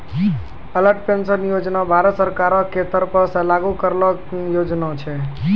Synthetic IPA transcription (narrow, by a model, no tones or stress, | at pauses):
ələɾʈpensənjod͡ʒnabʱaɾət̪səɾkaɾɔkʰːet̪əɾpəɾsãlaɡukəɾlɔkjod͡ʒnat͡ʃʰɛ